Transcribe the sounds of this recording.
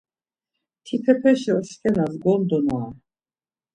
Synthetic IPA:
t̪ʰipʰɛpʰɛʃɛɔʃkʼɛnazɡɔnd̪ɔnwa

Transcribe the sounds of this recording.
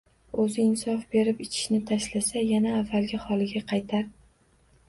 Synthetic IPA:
ɵzɪɪnsɒfbe̞ɾɪpɪt͡ʃʰɪ̥ʃnɪt̪ʰaʃlasajanaːvːalɡʲɪhɒlɪɡʲaqʰɑjt̪ʰaɾ

